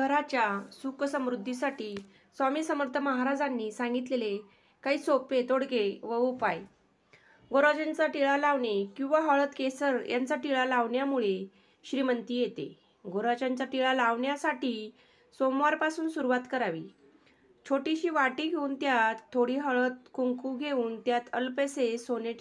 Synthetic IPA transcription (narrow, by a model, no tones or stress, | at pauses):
ɡʱəɾat͡ɕjasuksəmɾud̪ʱːisaʈiː | samiːsəməɾt̪ʰəməɦaɾad͡zanːiːsãŋɡit̪lele | kaɦiːsopet̪oɽkeʋəopaj | ɡoɾʋad͡ʑant͡saʈiɭalaʋɳekĩw̃ʋaɦɔɭət̪kesəɾjant͡saʈiɭalaʋɳjamuɭe | ɕɾimənt̪iːjet̪ḛ | ɡoɾat͡ɕant͡ɕaʈiɭalaʋɳjasaʈiː | somʋaɾpasuːnsuɾuʋat̪kəɾaʋḭː | t͡ɕʰoʈiɕiːʋaʈiːɡʱeuːnt̪jat̪ʰːoɽ̤iːɦɔɭət̪̚kuŋkuɡʱeuːnt̪jat̪əlpesesoneʈ